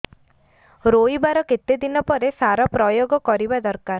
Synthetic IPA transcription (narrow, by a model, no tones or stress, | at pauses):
ɾojbaɾɔket̪ed̪inɔpɔɾesaɾɔpɾɔjoɡɔkɔɾibad̪ɔɾkaɾ